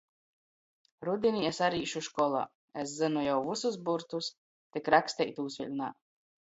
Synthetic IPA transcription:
ɾud̪ʲiniesaɾiːʃuʃkɔlˠa̰ː | es̬zɨnujawvusus̬buɾt̪us | t̪ikɾaksʲt̪ɛjt̪uːsʲvʲilʲna̰ː

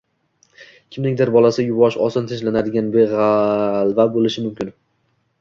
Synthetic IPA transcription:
kʲʰɪmnɪkʲd̪aɾbɒlˠasɪjʊbɒʃɒsɒnt̪ʰeʃlanad̪ɪɡʲanbeʁalˠvabolɪʃɪmʊmkʲʰɪn

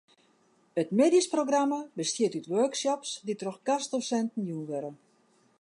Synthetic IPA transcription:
ətmeːdisproɡramabəstjɪtytʋøːksɔpsditroxɡ̥asdosɛntn̩junʋøɾə

